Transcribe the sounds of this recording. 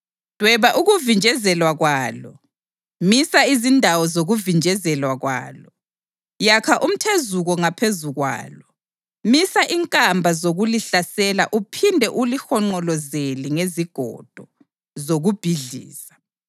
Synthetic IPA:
d̥ʱwɛβaʔuɣuvind͡ʒʱɛzɛlwaɣwaːlɔ | misaizindʱawɔzoɣuvind͡ʒʱɛzɛlwaɣwa̰ːlɔ | jakʰaʔum̩tʰezuɣɔŋapʰezuɣwa̰ːlɔ | misaʔiŋkʼambʱazoɣuliɬasɛlaʔupʰindʱɛʔulixɔŋ͡ǃɔlɔzeliŋeziɡ̥ʱɔ̰d̥ʱɔ | zoɣub̥ʱiɮḭːsḁ

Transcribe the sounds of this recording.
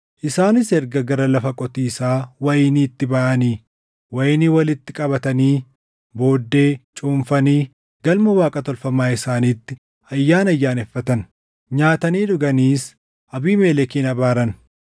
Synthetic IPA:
ʔɪsaːnɪsɛɾɡɐɡɐɾɐlɐfɐkʼɔt̪iːsaːwɐjɪniːt̪ːɪbɐʔɐniː | wɐjɪniːwɐlɪt̪ːɪkʼɐbɐt̪ɐniː | bo̞ːd̪ːe̞ːt͡ʃʼuːɱfɐniː | ɡ̥ɐlmɐwaːkʼɐt̪ɔlfɐmaːɪsaːniːt̪ːɪ | ɐjːaːnɐjːaːnɛfːɐt̪ɐn | ɲaːt̪ɐniːᶑʊɡɐniːs | ʔɐbiːmeːlɛkiːnɐbaːɾɐn

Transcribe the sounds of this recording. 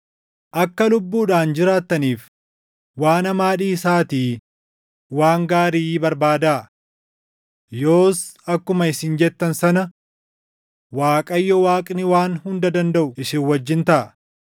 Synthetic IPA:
ʔɐkːɐlʊbːuːᶑaːnd͡ʒɪɾaːt̪ːɐniːf | waːnɐmaːᶑiːsaːt̪iː | waːŋɡaːɾiːbɐɾbaːd̪a | jo̞ːsɐkːʊmɐɪsɪnd͡ʒɛt̪ːɐnsɐnɐ | waːkʼɐjːɔwaːkʼnɪwaːnhʊnd̪ɐd̪ɐnd̪ɐʔʊɪsɪwɐd͡ʒːɪnt̪ɐʔɐ

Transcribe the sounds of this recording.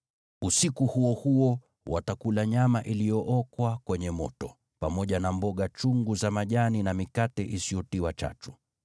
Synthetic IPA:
usikuhuɔhuɔ | wa̰takulaɲamaʔilijɔʔɔkwakwɛɲɛmɔ̰tɔ | pamɔʄanambɔɠat͡ʃuŋɡuzamaʄaninamikatɛʔisijɔtiwat͡ʃa̰t͡ʃu̥

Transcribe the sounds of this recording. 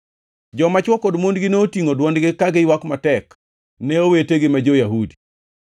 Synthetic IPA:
d͡ʒɔmat͡ʃwɔkodmondɡɪneotiŋodwɔndɡɪkaɡɪwakmatɛk | nɛoweteɡɪmad͡ʒojaɦudi

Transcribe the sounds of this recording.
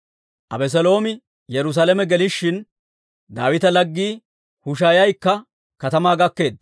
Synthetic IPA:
ʔɐ̰bɛs̬ɛlo̞ːmɪ | jɛɾʊs̬aːlɛmɛɡɛlɪʃːɪn | d̪aːwɪt̪ɐlɐɡːiː | hʊʃ̬aːjɐjkːɐ | kɐt̪ɐmaːɡɐkːe̞ːd̪̚

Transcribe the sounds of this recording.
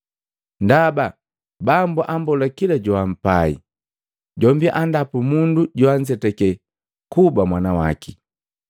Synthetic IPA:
ndaba | bambuʔambɔlakilaɟɔam̩paḭ | ɟɔmbiʔandapumunduɟɔaɲd͡ʒɛtɛkɛ | kubamwanawa̰ki

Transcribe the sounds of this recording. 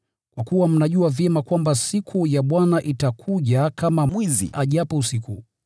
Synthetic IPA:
kwakuwam̩naʄuavjɛmakwambasikʰujaɓwanaʔitakʰuʄakamamwizḭaʄapɔusiku

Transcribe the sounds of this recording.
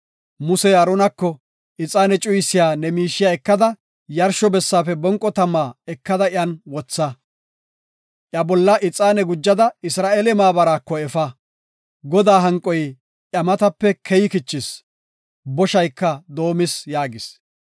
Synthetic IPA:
mʊsɛɐɾɔnɐkːɔ | ʔɪt͡sʼaːnɛt͡ʃʼʊjsɪjaːnɛmiːʃːɪjaɛkːɐd̪ɐ | jɐɾʃɔbɛsːaːfɛbɔŋkʼːɔt̪ɐmːaːɛkːɐd̪ɐɪɐnwɔt͡sːɐ | ʔjɐbɔlːɐʔɪt͡sʼːaːnɛɡʊd͡ʒːɐd̪ɐɪsɾaːʔeːlɛmaːbɐɾaːkːɔɛfɐ | ɡɔd̪aːɦɐŋkʼːɔj | ʔɐmɐt̪ɐpːɛkʰɛjɪkɪt͡ʃːɪs | bɔʃɐjkːɐd̪o̞ːmɪsjaːɡɪs

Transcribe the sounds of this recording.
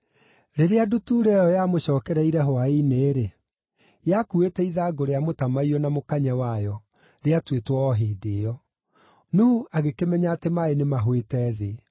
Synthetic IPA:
ɾeɾeadutuɾeɔjamoɕɔːkɛɾɛiɾɛɦwaineːɾe | jakuetɛiðaɡoɾeamotamaiɔnamokaɲɛwajɔ | ɾeatwetwɔɔɦeːdeɔ | nuuʔaɣekemɛɲaːtemaenemaɦwetɛðe

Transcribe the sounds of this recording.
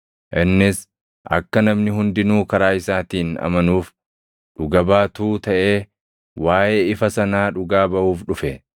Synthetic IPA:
ʔɪnːɪs | ʔɐ̰kːɐnɐmnɪɦʊnd̪ɪnuːkɐɾaːɪsaːt̪iːnɐ̰mɐnuːf | ᶑʊɡɐbaːt̪uːt̪ɐʔeː | waːʔeːɪfɐsɐnaːᶑʊɡaːbɐʔuːfᶑʊfɛ

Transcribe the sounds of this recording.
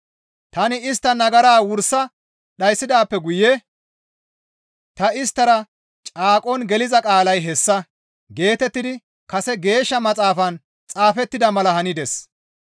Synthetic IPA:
t̪ɐnɪɪst̪ːɐnɐɡɐɾaːwʊɾsːɐ | ɗɐjsːɪd̪aːpːɛɡʊjɛ | t̪ɐɪst̪ːɐɾɐ | t͡ʃʼaːkʼɔnɡɛlɪzɐkʼaːlɐjɦɛsːɐ | ɡe̞ːt̪ɛt̪ːɪd̪ɪ | kɐsɛɡe̞ːʃːɐmɐt͡sʼaːfɐn | t͡sʼaːfɛt̪ːɪd̪ɐmɐlɐhɐnɪd̪ɛs

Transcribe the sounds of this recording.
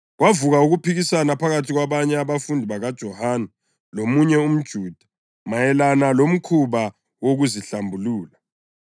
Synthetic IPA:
ɣwavuɣauɣupʰiɣisanapʰaɣatʰiɣwaβaɲɛaβafundʱiβaɣad̥ʒ̥ʱɔhaːnɛ | lomuɲɛum̩d̥ʒ̥ʱuːd̥ʱḁ | majɛlanalom̩kʰuβa | woɣuziɬambʱuluːla

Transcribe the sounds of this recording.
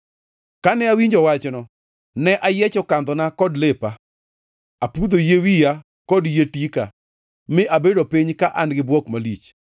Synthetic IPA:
kanɛawiɲd͡ʒɔwat͡ʃnɔ | nɛʔajɛt͡ʃɔkand̪ɔnakɔdlepa | apud̪ojewija | kɔdjetika | mɪʔabedopiɲkaʔanɡɪbwɔkmalit͡ʃ

